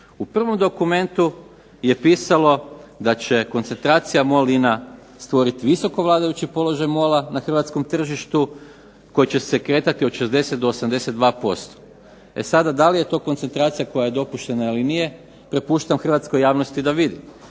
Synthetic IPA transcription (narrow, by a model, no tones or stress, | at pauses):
upr̩ʋo̞md̪o̞kume̞nt̪u | je̞piːsalo̞d̪at͡ɕe̞ko̞nt̪se̞nt̪ɾaːt̪sijamolina | st̪ʋo̞ɾit̪iʋiso̞ko̞ʋlˠaːd̪ajut͡ɕipo̞lo̞ʒajmo̞lanaxr̩ʋat̪sko̞mt̪r̩ʒiʃt̪u | ko̞jit͡ɕe̞sekɾe̞ːt̪at̪ioʃe̞zd̪e̞set̪̚d̪oːsamd̪e̞set̪̚d̪ʋaːpo̞st̪o̥ | e̞̰sad̪ad̪alije̞t̪o̞ːkont̪se̞nt̪ɾaːt̪sijako̞jaje̞d̪o̞puʃt̪e̞nailinije̞ | pɾe̞puːʃt̪amxr̩ʋat̪skojaːʋno̞st̪id̪aʋid̪im